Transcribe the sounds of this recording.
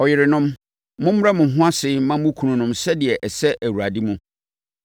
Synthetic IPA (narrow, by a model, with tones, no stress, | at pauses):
ɔ˨jɪ˨ɾɪ˨nʊ̃˦m | mʊ̃˦m̩˦ɾa˦mʊ̃˨ɦʊ̃˦a˦sɪ˦mã˦m˦mʊ̃˦kʰu˨nũ˨nʊ̃˦msɛ˦dɪ˨ɛ˨ʔɛ˨sɛ˦ʔæ˨wu˨ɾa˨di˦mʊ̃˦